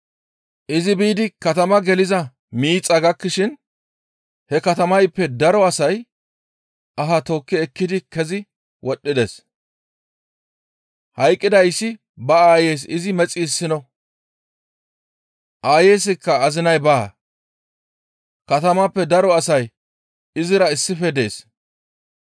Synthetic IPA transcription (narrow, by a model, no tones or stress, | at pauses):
ʔɪzɪbiːd̪ɪkɐt̪ɐmɐɡɛlɪzɐ | miːt͡sʼːɐɡɐkːɪʃɪn | hɛkɐt̪ɐmɐjpːɛd̪ɐɾɔɐsɐj | ʔɐɦɐt̪oːkːɪɛkːɪd̪ɪkɛzɪ | wɔɗːɪd̪es | hɐjkʼːɪd̪ɐjsːɪ | bɐaːjeːs̬ɪzɪmɛt͡sʼːiːsːɪnɔ | ʔaːje̞ːs̬ɪkːɐɐzɪnɐjbɐ̰ | kɐt̪ɐmɐpːɛd̪ɐɾɔɐsɐj | ɪzɪɾɐɪsːɪfɛd̪e̞ːs